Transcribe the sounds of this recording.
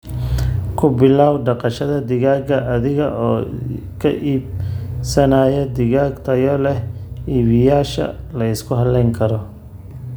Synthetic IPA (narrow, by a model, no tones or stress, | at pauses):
kʰʊbɪlaːwɖɑqɑʃɐðɐd̪ɪɣaːɡɐʔɐðɪɣɐʔɔː | kʰɐ̰ʔiːbsɐnaːjɛd̪ɪɣaːɡt̪ʰɐjɔlɛhiːβɪjaːʃɐ̰lɐɪskʰʊɦɐlɛŋkʰɐɾɔ